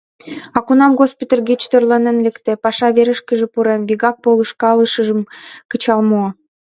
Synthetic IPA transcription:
ɑkunɑmɣospʲit̪ʲərɣit͡ɕt̪ørlɑnenlĕkt̪ĕpɑʃɑβeɾə̆ʃkə̆ʒĕpuɾenβiɣɑk̚poləʃkɑləʃə̆ʒə̆mkət͡ɕɑlmo

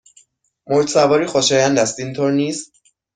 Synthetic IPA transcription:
moɾt̪sævɒːɾiːxoʃɒːjænd̪æst̪iːnt̪ʰoɾniːst̪

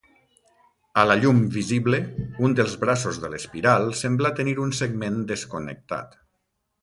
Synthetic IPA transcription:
əlaʎumbiziβleund̪əlˠzβɾasozðələspiɾalˠsemblat̪əniɾunseɡmend̪əskonə̰k̚t̪a̰t̪

